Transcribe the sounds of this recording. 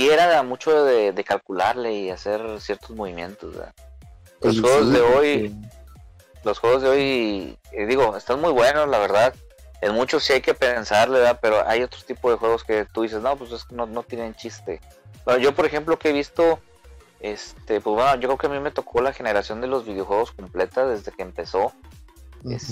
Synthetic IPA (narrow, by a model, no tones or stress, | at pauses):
sje̞ɾamut͡ʃo̞ððeðe̞kalkulaɾle̞iase̞ɾsje̞ɾt̪ozmo̞βimje̞̰nt̪o̰zβḛða | losxweɣozðeo̞j | losxwe̞ɣozðe̞o̞j | d̪iɣo̞est̪anmujβwe̞noslaβ̞e̞ɾðað | enmut͡ʃosiajke̞pe̞nsaɾleβape̞ɾo̞ʔa̰jo̞t̪ɾo̥t̪ipoðe̞xwe̞ɣo̞ske̞t̪uðis̬e̞sno̞pweseskenono̞t̪jenent͡ʃist̪e̞ | benoʝo̞po̞ɾexe̞mplo̞keeβ̞ist̪o̞ | e̞st̪e̞pwezwenoʝo̞kɾekeamime̞t̪o̞kʰo̞laxe̞ne̞ɾasjo̞nd̪e̞lo̞zβið̞ejo̞xwe̞ɣo̞sko̞mple̞t̪aðe̞zðe̞keːmpe̞so̞ | es